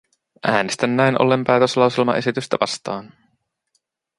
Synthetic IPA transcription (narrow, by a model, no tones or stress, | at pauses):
ʔæːne̞st̪ænːæjnʔo̞̰lːempæːt̪øslɑwselmɑ̰ʔe̞sit̪yst̪æʋɑst̪ɑːn